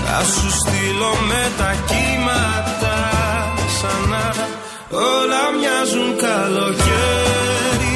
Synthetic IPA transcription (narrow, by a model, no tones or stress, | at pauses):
a̰sust̪ilɔmɛt̪acimat̪a | sana | ɔlamɲazunkalɔce | ɾi